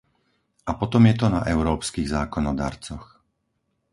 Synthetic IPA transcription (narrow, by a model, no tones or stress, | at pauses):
ʔapɔt̪ɔmjɛt̪ɔnaʔɛʊɾɔːpskiɣzaːkɔnɔd̪a̰ːɾt͡sɔx